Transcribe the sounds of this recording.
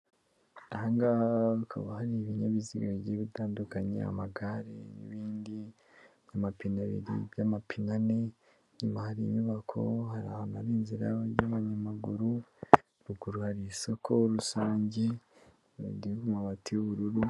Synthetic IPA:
ahaːŋɡakʰa̰βahaɾiβiɲaβiziɡaɟeβitaːndukaɲḛa̰maɡaɾḛnḭβiːndi | jamapinaβḭɾḭbjamapʰinane | ɲimahaɾimiβakʰo̞̰haɾa̰hanaɾiːnziɾaβaɾjaβaɲamaɡuɾu | ɾuɡuɾuhaɾisokʰoɾusaːɲɟe | ṵɡdikumaβatʰiuβuɾuɾu

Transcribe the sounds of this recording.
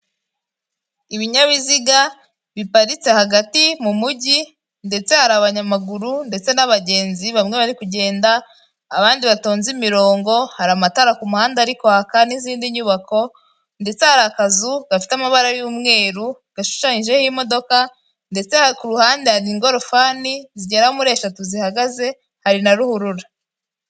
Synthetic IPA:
iβiɲaβiziɡa | βipaɾit͡se̞haɡatimumuɟi | nde̞t͡se̞haɾaβaɲamaɡuɾunde̞t͡se̞naβaɟe̞ːnziβamŋe̞βaɾikuɟe̞ːndaː | βaːndiβato̞ːnzimiɾo̞ːŋɡo̞haɾamataɾakumuhaːndaɾikohakaniziːndiɲuːβako̞ | nde̞t͡se̞haɾakazuɡ̥afi̥tamaβaɾajuːmŋe̞ːɾu | ɡ̥aʃu̥ʃaɲiʒe̞himo̞do̞ka | nde̞t͡se̞hakuɾuhaːndehaɾiŋɡo̞ɾo̞faːniziɟeɾahomuɾe̞ːʃatuzihaɡaze̞ | haɾinaɾuhuɾuɾa

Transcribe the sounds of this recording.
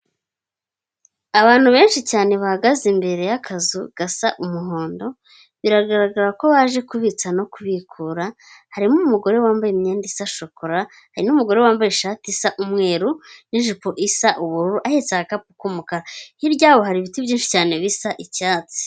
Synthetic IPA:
aβaːn̥huβe̞ːnʃicaːneβahaɡazimbe̞ɾe̞jakʰazuɡ̥asaʔumuɦo̞ːndo̞ | βiɾaɡaɾaɡaɾako̞βaːʒe̞kuβit͡sano̞kuβikʰuɾa | haɾimumuɡo̞ɾe̞waːmbajemɲeːndisaʃo̞koɾa | haɾinumuɡo̞ɾewaːmbajeʃaːtisaʔumŋe̞ːɾuniʒipo̞ʔisaʔuβuɾuɾuʔahet͡saɡakapu̥kumukaɾahiɾɟaːβo̞ɦaɾiβitiβjiːnʃi̥caːne̞βisaʔicaːt͡se̥

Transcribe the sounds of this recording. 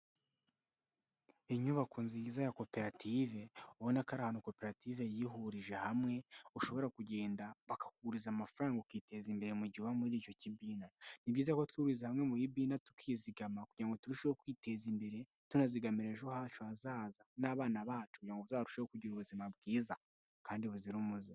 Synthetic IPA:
iɲuβakunzijizajako̞pe̞ɾatʰive̞uβonakaɾahanoko̞pe̞ɾative̞jiɦuɾiʒe̞hamŋe̞uʃo̞βo̞ɾakuɟe̞ːndaβakḁkuɡuɾizamafuɾaːŋɡukite̞zimbe̞ɾe̞muɟiβamuɾiːco̞cibiːnanibɟiːzakotwiːβuɾizehamŋe̞mujibiːnatu̥kʰiziɡamakuɟiɾaŋɡo̞tuɾiʃehokwiːte̞zimbe̞ɾe̞ | tunaziɡamiɾe̞ʒohat͡ʃoazaːzanaːβaːnaβaːt͡ʃukuɟiɾaŋɡoβuzaːβɾuʃeokuɟiɾuβuzimab̚ɡiːza | kaːndiβuziɾumuzi

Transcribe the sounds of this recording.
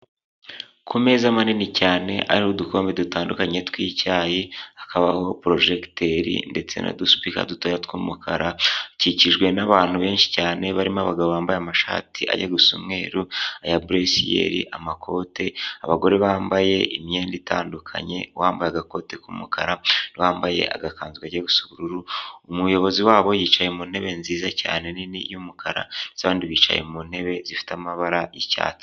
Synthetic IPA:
kʰume̞ːzamaninicaːne̞̰ʔa̰ɾihodukʰo̞ːmbe̞dutaːndukaɲe̞twiːcaːjiakʰaβaho̞pɾo̞ʒekteɾḭnde̞t͡se̞̰na̰dusu̥pika̰dutoːjatkuːmukʰaɾaciciʒɡwe̞naβaːn̥huβe̞ːnʃi̥caːne̞βaɾimoaβaɡaβoβaːmbajamaʃa̰ːtʰiʔa̰ɟaɡusumŋe̞ːɾuajabɾesijḛɾḭʔamakʰo̞ːtʰe̞aβaɡo̞ɾeβaːmbaje̞ʔimje̞ːnditʰaːndukʰa̰ɲe̞̰waːmbajeaɡako̞te̞kumukʰaɾaniwaːmbaje̞̰ʔa̰ɡakaːnzɡaɟaɡusuβuɾuɾuumujo̞βo̞ziwaːβo̞jiːt͡ʃaje̞mun̥he̞βe̞nziːzaca̰ːne̞ninḭjumukʰaɾa̰zaβaːndiβiːt͡ʃa̰je̞̰mun̥e̞βe̞zifi̥tamaβaɾajica̰ːt͡se̥

